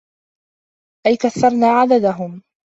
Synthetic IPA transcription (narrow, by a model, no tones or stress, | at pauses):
ʔajkaθːɑɾˤnaːʕad̪ad̪aɦʊm